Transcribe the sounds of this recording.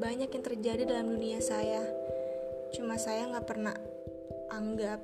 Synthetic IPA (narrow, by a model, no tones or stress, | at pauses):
baɲakjaŋt̪ərd͡ʒadidalamduniasaja | t͡ʃumasajaŋɡaʔpərna | aŋɡap̚